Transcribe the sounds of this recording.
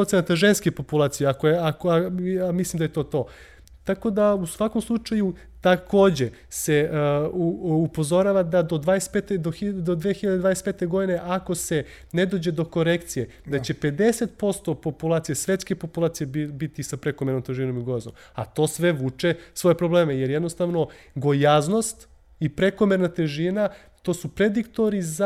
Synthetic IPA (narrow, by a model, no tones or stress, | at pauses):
ot̪senat̪aʒenskepo̞pulˠaːt̪sijeakojeakoamislˠimd̪ajet̪o̞ːt̪o̞ː | t̪ako̞d̪ausʋako̞mslˠut͡ʃaju | t̪ako̞ːd͡ʑe | se̞ | upo̞zo̞ɾaːʋad̪ad̪od̪ʋaːespet̪ed̪oxid̪od̪ʋexiʎad̪d̪ʋad̪espeːt̪e̞ɡo̞d̪ine̞ʔako̞se̞ | ned̪o̞ːd͡ʑe̞d̪o̞ko̞ɾekt̪sijed̪at͡ɕe̞pe̞d̪e̞set̪̚po̞st̪o̞po̞pulˠaːt̪sijesʋe̞t̪skepo̞pulˠaːt̪sijebit̪isapɾekomeɾnomt̪eʒino̞miɡo̞jazo̰m | a̰t̪o̞ːsʋe̞ʋuːt͡ʃesʋo̞je̞pɾo̞ble̞ːmejeɾjed̪no̞st̪aʋno̞ɡo̞jazno̞st̪ | ipɾe̞ko̞meɾnat̪eʒina | t̪o̞ːsupɾed̪ikt̪o̞ɾiza